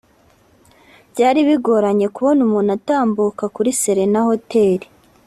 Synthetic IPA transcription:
bɟaːɾiβiɡo̞ɾaɲe̞kuβo̞numuːnataːmbukakuɾiseɾe̞naho̞tʰe̞ːɾi

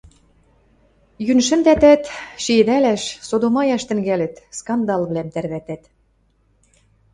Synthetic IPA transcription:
jynʃɘ̆nd̪æt̪æt̪ʃiĕd̪ælæʃsod̪omɑjɑʃt̪ɘ̆ŋɡælɘ̆t̪skɑnd̪ɑlβlæmt̪ærβæt̪æt̪

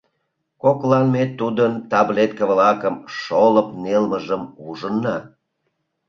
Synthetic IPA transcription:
koklɑnmet̪ːud̪ənt̪ɑblet̪̚kəβlɑkəmʃoləpnelməʒəmuʒənːɑ

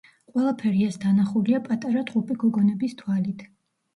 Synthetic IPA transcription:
qʼwɛlˠapʰɛɾiasd̪anaχuliapʼat̪ʼaɾat̪ʼupʼiɡɔɡɔnɛbist̪ʰwalit̪ʰ

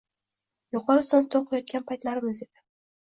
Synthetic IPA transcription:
joqʰɒɾɪsɒnp̚t̪ʰoqʰɨjɒt̪̚kʲanpʰajt̪laɾɪmɪze̞d̪ɪ

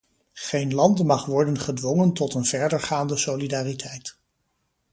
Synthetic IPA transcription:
χejnlɑntmɑχʋɔɹdənχədʋɔŋəntɔtənv̥ɛɹdəɹχaːndəsolidaːritʰɛjt

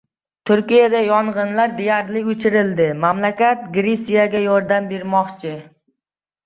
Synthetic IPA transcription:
t̪ʰʊɾkʲijad̪ajɒɴʁɨnlaɾd̪ejaɾlɪɵt͡ʃʰɪɾɪld̪ɪmamlakʲat̪̚ɡɾesijaɡʲajɒɾd̪ambeɾmɒχt͡ʃʰɪ

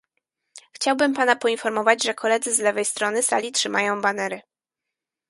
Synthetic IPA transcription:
xt͡ɕawbɘmpanapɔinfɔɾmɔvad͡ʑʐɛkʰɔlɛd̪zɘzlɛvɛjst̪ɾɔnɘsa̰lʲitʂɘma̰jɔ̃w̃banɛɾɘ

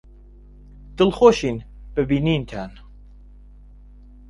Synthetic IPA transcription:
d̪̥ɨlχoːʃiːn | b̥ɨbiːniːnt̪ʰaːn

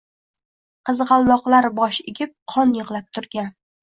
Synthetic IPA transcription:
qʰɨzʁɑlˠːɒqlˠaɾbɒʃeɡʲɪp̚qʰɒnjɨʁlˠap̚t̪ʰʊɾɡʲan

